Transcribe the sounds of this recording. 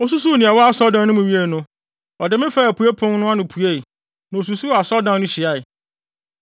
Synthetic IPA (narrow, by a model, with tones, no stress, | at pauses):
ɔ˦s̬u˦s̬u˦˨nĩ˨a˨wɔ˦a˦˨sɔ˦dã˦nʊ̃˦mɪ̃˨ɥi˦e˦˨nʊ̃˦ | ɔ˨dɪ˨mɪ̃˦fa˦˨æ˨pʰu˨e˦pʰʊ̃˦ŋnʊ̃˦a˦nʊ̃˨pʰu˨e˦˨ | nã˨o˨s̬u˨su˦˨a˨sɔ˦dã˦nʊ̃˦ɕɪ˨a˦ɪ˨